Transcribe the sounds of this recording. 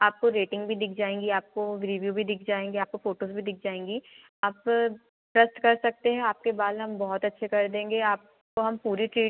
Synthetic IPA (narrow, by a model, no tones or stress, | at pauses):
aːp̚koɾeːʈɪ̃ŋɡbʱid̪ɪk̚ʰd͡ʒaːẽːŋɡiaːp̚koɾiʋjuːbʱid̪ɪkʰd͡ʒaːẽːŋɡeaːp̚kofoːʈoːsbʱid̪ɪk̚ʰd͡ʒaːẽːŋɡi | aːp | ʈɾɐsʈkɐɾsɐk̚t̪eɦɛ̃aːp̚kebaːd̪ɦɐmbɔɦɔt̪ɐtːʃʰekɐɾd̪ẽːŋɡeaːp̚ | koɦɐmpuːɾiʈɾiː